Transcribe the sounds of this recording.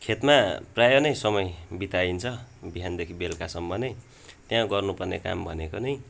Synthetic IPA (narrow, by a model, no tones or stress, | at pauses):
kʰet̪maprajʌnʌjsʌmʌjbit̪aint͡sʰʌbiɦand̪ekʰibelkasʌmbʌnʌj | t̪jãɡʌrnupʌrneka̰mbʱʌnekonʌj